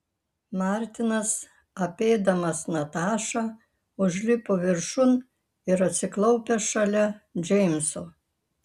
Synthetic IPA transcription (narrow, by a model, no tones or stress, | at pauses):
mɑˑɾʲt̪ʲɪnɐs | ɐpʲeːd̪ɐmɐsnɐt̪ɑːʃɑː | ʊʒʲlʲɪpoːʋʲɪɾʃʊn | ɪɾɐt̪ʲsʲɪklˠɒʊpʲeʃɐlʲɛd͡ʒʲɛɪmʲso